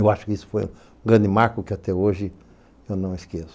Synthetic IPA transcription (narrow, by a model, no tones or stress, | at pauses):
ewaʃʊ̥kɪisʊ̥fo̰jṵ̃ | ũɡɾɐ̃nd̪ɪmaɾkʊkɪat̪ɛoʒɪ | ewnɐ̃w̃iskesʊ̥